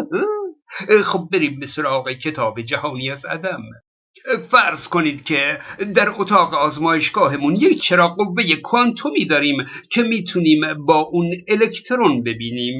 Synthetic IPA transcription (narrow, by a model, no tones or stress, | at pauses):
xob̚ːeɾiːmbesoɾɒːɣecʰe̞t̪ʰɒːbed͡ʒæhɒːniːæzæ̰d̪æm | fæɾzko̞niːd̪kʲʰed̪æɾot̪ʰɒːɣeɒːzmɒːjeʃɡ̥ɒːɦe̞munjekʰt͡ʃʰeɾɒːqovːe̞jekʰoant̪ʰomiːd̪ɒːɾiːmcʰemiːt̪ʰuniːmbɒːʔunelekʰt̪ʰɾonbe̞biːniːm